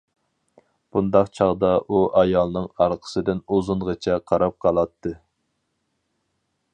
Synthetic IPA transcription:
b̥und̪ɑqt͡ʃʰɑʁd̪ɑʔuʔɑjɑlˠnɨŋɑɾqʰə̥sɨd̪ɪnozuɴʁət͡ʃʰɛqʰɑɾɑp̚qʰɑlˠɑt̪ʰːɨ

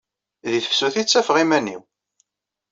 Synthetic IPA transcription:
ðiθə̥fsuθit͡sːæfʁimænːḭw

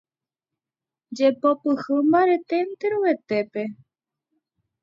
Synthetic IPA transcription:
d͡ʒepopɨhɨmbaɾet̪ent̪eɾuʋet̪epe

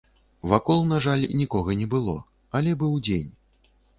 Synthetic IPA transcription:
vakɔlˠnaʐalʲnʲikɔɣɐnʲɛbɨlˠɔ̰ | ɐlʲɛbɨwd͡zʲenʲ

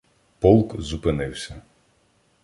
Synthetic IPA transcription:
pɔlˠkzupɪnɪwsʲɐ

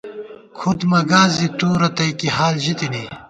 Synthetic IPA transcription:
kʰud̪mɐɡaːziʈuːɾɐt̪ɐjkihaːlʑit̪ini

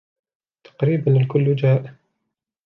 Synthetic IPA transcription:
t̪ʰḁqɾiːbanɪlkʊlːʊd͡ʒaːʔ

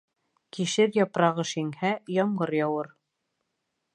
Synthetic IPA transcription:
kiʃɘɾjɑpɾɑʁɤʃiŋhæjɑɴɢɤɾjɑwɤɾ

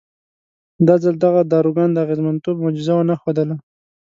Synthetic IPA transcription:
d̪ɑzald̪aɣad̪ɑɾuɡɑnd̪əaɣezmant̪obmod͡ʒɪzawanaxod̪əla

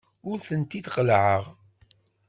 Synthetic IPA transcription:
ʊɾθənt̪id̪qəlʕəʁ

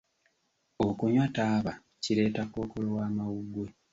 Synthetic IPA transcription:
okuɲwataːβa | ciɾe̞ːtako̞ːkolowaːmawuɡwe

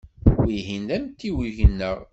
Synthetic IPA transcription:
wiɦind̪æmt̪ːiwiʝənːəʁ

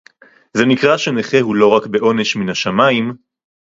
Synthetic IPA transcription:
ze̞nikʁaʃe̞neχeɦulo̞ʁakbe̞ʔo̞ne̞ʃminaʃamaim

